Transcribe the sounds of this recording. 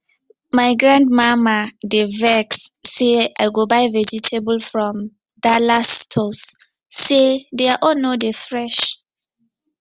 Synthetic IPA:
majɡɹãndmamadevɛksːeajɡobaɪvɛd͡ʒitʰebəlfɹɔ̃m | dalastʰosː | edeaʔɔnodefɹɛʃ

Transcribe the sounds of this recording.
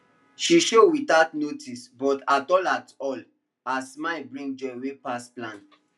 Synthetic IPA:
ʃiʃowitatnotʰisbɔtatɔlatɔl | asmaɪbɹĩŋ̚d͡ʒɔwepasplãn

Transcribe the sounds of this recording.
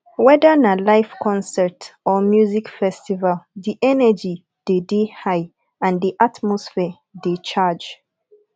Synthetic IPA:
wɛdənalaɪfkʰɔ̃nsɛtɔmjuzikfɛstivaldiʔɛnəd͡ʒi | d̥edehaɪ | ãndiʔatmɔsfɛ | det͡ʃad͡ʒ

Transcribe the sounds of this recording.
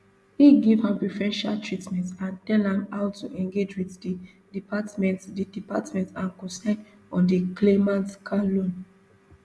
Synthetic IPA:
hiɡivhãmpɹifɛ̃nʃa̰ltʰɹitmɛ̃ntãntɛlhãmhaʊtuʔɛ̃ŋɡed͡ʒwiðdi | dipatmɛ̃ntdidipatmɛ̃ntãnkɔ̃sɛn | ɔ̃ndiklemãntkʰalõn

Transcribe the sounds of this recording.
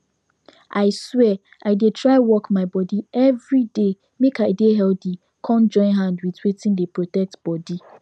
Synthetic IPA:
ʔaɪswɛ | aɪdetʰɹaɪwɔkmaɪbɔdiɛvɹide | mekaɪdeɦɛldi | kʰɔ̃nd͡ʒɔ̃ɪ̃nɦãndwitwetĩndepɹotɛk̚tb̥ɔdi

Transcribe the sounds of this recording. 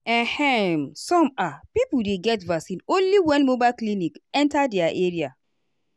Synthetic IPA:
ɛ̃hɛmsɔ̃mapipudeɡɛtvaksĩnõnliwɛ̃nmobalklinikɛ̃ntadɛaʔeɾia

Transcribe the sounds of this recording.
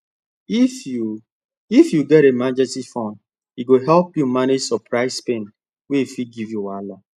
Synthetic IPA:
fu | ifjuɡɛɾemad͡ʒɛstifɔ̃n | iɡoɦɛlpjumaned͡ʒsɔpʰɹaɪspẽn | weifiɡivjuwala

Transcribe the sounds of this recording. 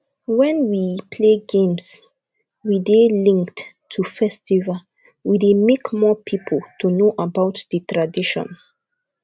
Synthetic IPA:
wɛ̃nwipʰleɡẽms | widelĩŋkt | tʰːufɛstʰiva | widemekmɔpʰipʰəltʰunoʔabaʊtðətɹadiʃɔ̰̃n

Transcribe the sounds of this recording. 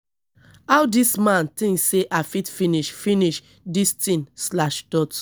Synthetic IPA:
awdismãntĩŋkseʔafitfiniʃfiniʃ | distĩnslaʃd̥ɔt

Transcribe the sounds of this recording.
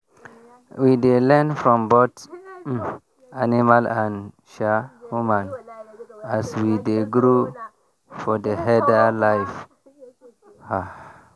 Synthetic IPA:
widelɛ̃nfɾɔ̃mbot | animalãn | ʃahumãn | aswideɡɾu | fɔdəɦɛdalaɪf | ha

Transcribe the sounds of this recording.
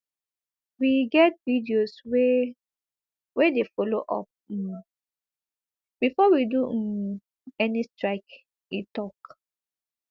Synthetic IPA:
wiɡɛt̚vidioswe | wedefoloʔɔ̰p̩̚ | b̥ifɔwidu | ɛnistɹaɪk | itɔk

